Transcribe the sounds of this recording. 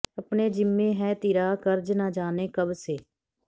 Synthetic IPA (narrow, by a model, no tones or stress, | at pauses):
əpneːd͡ʒɪmːẽːɦɛːt̪iɾaːkəɾd͡ʒnad͡ʒaːneːkəbseː